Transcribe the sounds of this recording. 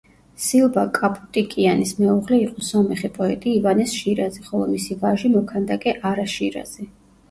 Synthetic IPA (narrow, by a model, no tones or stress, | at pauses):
silˠbakʼapʼu̥t̪ʼikʼianismɛuʁlɛiqʼɔsɔmɛχɛpʼɔɛt̪ʼiːvanɛsʃiɾazɛχɔlˠɔ̰misivaʒimɔkʰand̪akʼɛʔaɾaʃiɾa̰z̥ɛ